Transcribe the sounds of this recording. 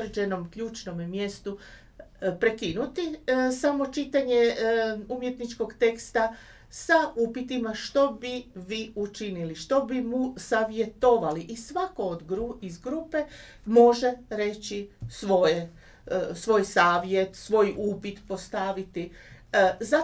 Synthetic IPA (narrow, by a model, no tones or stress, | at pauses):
ɾed͡ʑeno̞mkʎuːt͡ʃno̞mmje̞st̪u | pɾekinut̪isamo̞t͡ʃit̪aɲe̞umje̞t̪nit͡ʃko̞ɡt̪e̞kst̪a | saupit̪imaʃt̪o̞biʋiut͡ʃiniliʃt̪o̞bimusaʋje̞t̪o̞ʋaliʔisʋako̞ːod̪ɡɾuizɡɾupe̞ | mo̞ʒe̞ɾe̞t͡ɕisʋo̞je | sʋo̞jsaːʋje̞t̪sʋo̞jʔupit̪po̞st̪aʋit̪i | za